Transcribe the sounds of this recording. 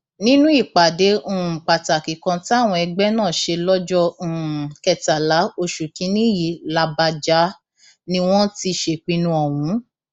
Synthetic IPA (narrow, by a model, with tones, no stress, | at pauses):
nĩ˦nũ˦i˦˨k͡pa˨dẽ˨˦˨k͡pa˨ta˨ki˨kã˧ti˦a˦˨w̃ɔ̃˧ɛ˧ɡ͡bɛ˦nãː˦˨ʃe˧lɔ˦d͡ʒɔ̃˦˧˨kɛ˨ta˨la˨˦o˧ʃu˨kĩ˨˦nĩ˦ji˨la˧ba˧d͡ʒa˨˦ | nĩ˧w̃ɔ̃˦ti˧ʃe˧˨k͡pĩ˧nũ˧ɔ˨w̃ũ˨˦